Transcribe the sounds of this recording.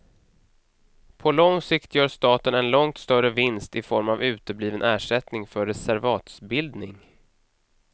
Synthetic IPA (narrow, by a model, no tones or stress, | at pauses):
pʰɔlɔŋsɪkt̪jœːʂt̪ɑːt̪ənɛnlɔŋt̪st̪œɾəvɪnst̪ɪfɔɾmavʉ̟ːt̪əbliːvənʔæːʂɛt̪nɪŋfœɾɛsæɾvɑːt̪sbɪld̪nɪŋ